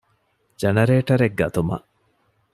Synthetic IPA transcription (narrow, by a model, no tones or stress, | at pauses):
d͡ʒɐnɐɾeːʈɐɾeɡːɐt̪umɐ̰ʔ